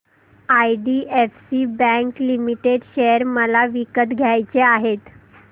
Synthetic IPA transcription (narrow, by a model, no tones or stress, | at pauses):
ajɖiːefsiːbɛ̃ŋklimiʈeɖɕejəɾməlaʋikət̪ɡʱjajt͡seaɦet̪